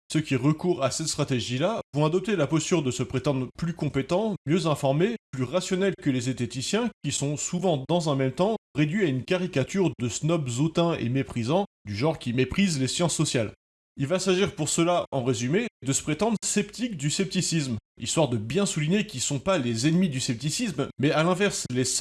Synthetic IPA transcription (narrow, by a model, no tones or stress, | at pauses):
səkʲiʁəkuʁasɛt̪st̪χat̪eʒilavɔ̃ad̪ɔp̚t̪elapɔst̪yʁd̪əsəpχet̪ɑ̃d̪ʁplykɔ̃pet̪ɑ̃mjøzɛ̃fɔʁmeplyʁasjɔnɛlkəlezet̪et̪isjɛ̃kʲisɔ̃suvɑ̃d̪ɑ̃zɛ̃mɛmt̪ɑ̃ʁed̪ɥiaynkaʁikat̪yʁd̪əsnɔpzot̪ɛ̃ḛmepχizɑ̃ | d̪yʒɑ̃ʁkʲimepχizlesjɑ̃sːɔsjal | ilvasaʒiʁpuʁsəlaɑ̃ʁezymed̪əsə̥pχet̪ɑ̃d̪ʁsɛpt̪ik̚d̪ysɛp̚t̪isismlist̪waʁd̪əbjɛ̃suliɲekʲisɔ̃palezɛnmid̪ysɛp̚t̪isismːɛalɛ̃vɛʁsles